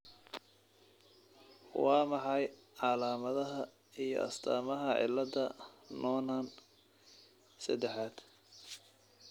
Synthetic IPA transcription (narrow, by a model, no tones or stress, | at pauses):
wɑːmɑħɑjʕɑlaːmɐðɐɦɐ | ijɔ̰ʔɐ̰st̪ʰa̰ːmɐɦɐʕɪ̰lːɐd̪ɐnʔɔːnaːn | sɐ̰d̪ɛħaːd̪̥